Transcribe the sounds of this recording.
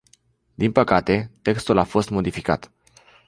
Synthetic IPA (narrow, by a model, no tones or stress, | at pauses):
d̪inpəkat̪e̞t̪e̞kst̪ulafo̞st̪mo̞d̪ifika̰t̪